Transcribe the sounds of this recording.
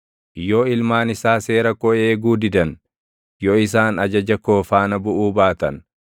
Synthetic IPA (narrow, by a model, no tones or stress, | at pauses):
joːɪlmaːnɪsaːse̞ːɾɐkɔʔeːɡuːd̪ɪd̪ɐn | jɔɪsaːnɐd͡ʒɐd͡ʒɐkoːfaːnɐbʊʔuːbaːt̪ɐn